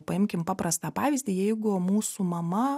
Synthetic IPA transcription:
pɐɪmʲkʲɪmpɑːpɾɐst̪ɑːpɑːʋʲiːzʲd̪ʲiːjɛɪɡʊmuːsuːmɐmɐ

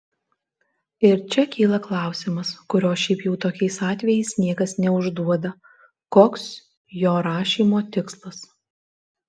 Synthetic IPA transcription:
ɪɾt͡ʃʲɛkʲiːlˠɐklˠɑˑʊsʲɪmɐskʊɾʲoːʃʲɛɪpjɛʊt̪oːkʲɛɪsɑːt̪ʲʋʲɛjɛɪsnʲiɛkɐsnʲɛʊʒd̪uɔd̪ɐ | koːks | joːɾɑːʃʲiːmoːt̪ʲɪkslˠɐs

